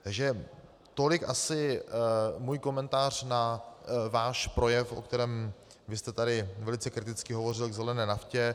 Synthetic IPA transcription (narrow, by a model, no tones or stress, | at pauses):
t̪aɡʒɛ | t̪o̞lɪkʔasɪ | muːjko̞mɛnt̪aːr̝̥navaːʃpɾo̞jɛfʔo̰kt̪ɛɾɛːm | vɪst̪ɛt̪adɪvɛlɪt͡sɛkɾɪt̪ɪt͡skɪɦo̞vo̞r̝ɪlɡzɛlɛnɛːnafcɛ